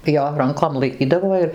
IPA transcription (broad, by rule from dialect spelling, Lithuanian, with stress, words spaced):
ˈjoː ˈrɐŋkoːm lˠɐɪˈkʲiːdɐʋoː ɪr